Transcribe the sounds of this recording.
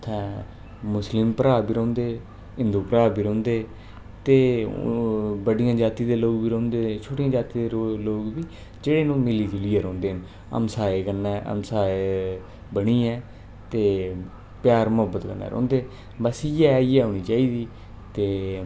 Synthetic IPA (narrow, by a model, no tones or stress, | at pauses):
t̪ʰɛ̃ː | mʊslɪmpəɾaːbiːɾɔ̃ːnd̪eː | ɪ̃nd̪uːpəɾaːbiːɾõːnd̪eː | t̪eː | bəɽijãːd͡ʒaːt̪iːd̪eːloːɡbiːɾõːnd̪eːt͡ʃʰoːʈɪjãːd͡ʒaːt̪iːd̪eloːɡbiː | d͡ʒeːɽeːnũːmɪliːd͡ʒʊliːeɾɔ̃ːnd̪eːɦn | ə̰msaːeːkənːɛːʔə̰msaːe | bəɽiːɛ̃ː | t̪eː | pjaːɾmʊɦəbət̪kənːɛ̰ːɾɔ̰̃ːnd̪eː | bəsɪjɛːɪjɛːɦoːɳ̃iːt͡ʃaːiːd̪iː | t̪eː